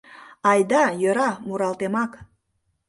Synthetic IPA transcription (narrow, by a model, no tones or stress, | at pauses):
ɑjd̪ɑjøɾɑmuɾɑlt̪emɑk